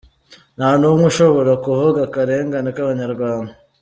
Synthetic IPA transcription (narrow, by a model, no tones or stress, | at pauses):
naːnumŋuʃo̞βo̞ɾakuvuɡakaɾe̞ːŋɡanikaβaɲaɾɡwaːnda